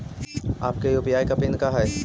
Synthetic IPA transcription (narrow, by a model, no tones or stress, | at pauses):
aːp̚kejuːpijaːjkɐpɪnkaɦɛː